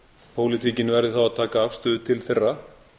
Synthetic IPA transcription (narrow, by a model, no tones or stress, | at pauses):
pʰoːwlɪt̪ʰiːcɪnvɛɾðɪθawaðt̪ʰaːkaavst̪ʏːðʏt̪ʰɪlθerːa